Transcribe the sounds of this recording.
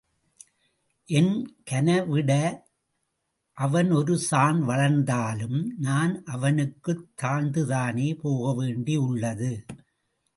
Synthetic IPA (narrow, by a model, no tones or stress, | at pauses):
ʔɛnkɐnɐʋɪɽɐ | ʔɐʋɐnɔɾɯsaːnʋɐɭɐɾnd̪aːlɯmnaːnʔɐʋɐnɯkːɯt̪ːaːnd̪ɯðaːneːpoːɣɐʋeːɳɖiʊɭːɐðɯ